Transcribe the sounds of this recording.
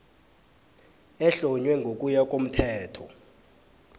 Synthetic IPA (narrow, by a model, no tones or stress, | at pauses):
ɛɬɔɲwɛŋɡʱokʼujak̬ʼom̩tʰɛːtʰɔ̰